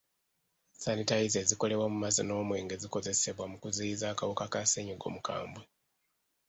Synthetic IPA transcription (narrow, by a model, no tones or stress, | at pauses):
sanitajizeziko̞le̞βwamumazino̞ːmwe̞ːŋɡe̞ziko̞ze̞se̞βwamukuziizaːkawukakaseɲoɡo̞̰muka̰ːmbwe